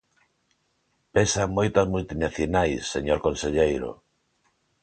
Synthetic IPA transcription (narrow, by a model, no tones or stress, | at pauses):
pesamojt̪azmult̪inaθjonajsːeɲoɾkonseʎejɾo̰